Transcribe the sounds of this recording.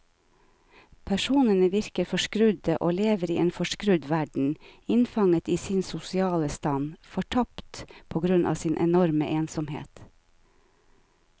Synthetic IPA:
pʰæʃuːnənəʋɪɾkəɾfɔʃkɾʉd̪əʔoːleːʋəɾiːeːnfɔʃkɾʉd̪ʋæɖɳ̩ɪnfɑŋət̪iːsɪnsʊsɪɑːləst̪ɑnfɔʈʰɑpt̪pʰoːɡɾʉnʔɑ̰ːʋsɪːnʔɛ̰nɔɾməʔeːnsɔmhḛːt̪

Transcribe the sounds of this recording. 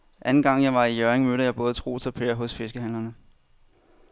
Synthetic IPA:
ʔænn̩ɡ̥ɑ̈ŋ̰jɑ̈ɪʋɑ̈ijœɐeŋmøɾɐjɑ̈ɪb̥ɔ̽ːð̞̩ˠt͡sʰʁo̝̰ːsɒ̽pʰe̝ːɐɦɔ̽sfe̝sɡ̥əɦæn̰lɐnə

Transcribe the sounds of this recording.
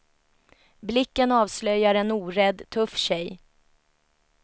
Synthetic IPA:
blɪkːənɑːvslœjːaɾɛnuːɾɛd̪ːt̪ʰɵfːɕɛj

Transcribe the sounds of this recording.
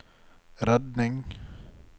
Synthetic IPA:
ɾɛd̪nɪŋ

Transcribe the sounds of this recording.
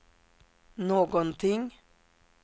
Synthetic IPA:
noːɡɔnt̪ʰɪŋ

